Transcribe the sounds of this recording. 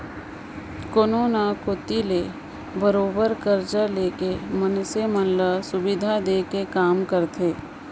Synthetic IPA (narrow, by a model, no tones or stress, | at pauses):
koːnoːnakot̪ileː | bəɾoːbəɾkəɾt͡ʃəleːkemənsemənləsʊbɪd̪ʱad̪eːkekaːmkəɾt̪ʰeː